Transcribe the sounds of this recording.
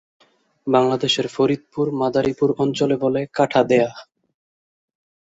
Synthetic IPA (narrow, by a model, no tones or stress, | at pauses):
baŋlad̪eʃeɾfoɾid̪̚puɾmad̪aɾipuɾɔnt͡ɕolebolekaʈʰad̪ea